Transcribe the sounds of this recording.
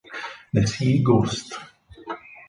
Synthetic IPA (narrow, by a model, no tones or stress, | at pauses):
nɛsiɡost̪